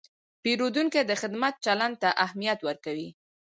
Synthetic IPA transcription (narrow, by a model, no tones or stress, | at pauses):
peɾod̪uŋked̪əxɪd̪mat̪̚t͡ʃaland̪̚t̪aʔahmijat̪wəɾkawi